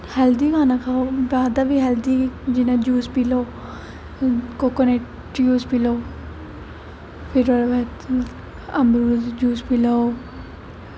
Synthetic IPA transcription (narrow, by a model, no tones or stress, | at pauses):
hɛːld̪iːkaːnaːkʰaːobaːd̪abiːɦɛːld̪iːd͡ʒɪnãːd͡ʒuːspiloː | kokəne | ʈjuːspiloː | pʰɪɾoɾʋɛt̪ | əmbɾuːd͡ʒuːspiloo